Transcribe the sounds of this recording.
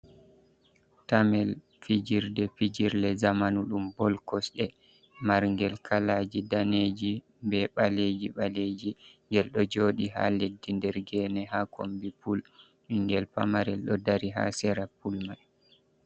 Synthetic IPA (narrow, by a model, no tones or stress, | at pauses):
tamɛl | fid͡ʒiɾdɛfid͡ʒiɾlɛzamanuɗumbɔlkɔsɗɛ | maɾŋɡɛlkʰalaːd͡ʒidaneːd͡ʒi | bɛɓaled͡ʒiɓaled͡ʒiŋɡɛlɗɔd͡ʒoːɗiha̰ledːindɛɾɡɛnɛɦakʰombipul | iŋɡɛlpa̰maɾɛlɗɔdaɾiɦa̰sɛɾapulmaj